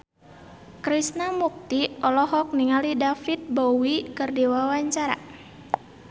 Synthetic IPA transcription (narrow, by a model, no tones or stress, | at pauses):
kɾisnamuk̚t̪iɔlɔɦɔk̚niŋalidafit̪̚bowikərdiwawaɲt͡ʃaɾa̰